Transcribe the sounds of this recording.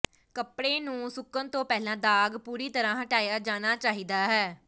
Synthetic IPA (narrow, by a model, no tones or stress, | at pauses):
kəpɽeːnũːsʊkːənt̪õːpɛːlãːd̪aːɡpuːɾiːt̪əɾãːɦəʈaːjaːd͡ʒaːnaːt͡ʃaːɦiːd̪aːɦɛː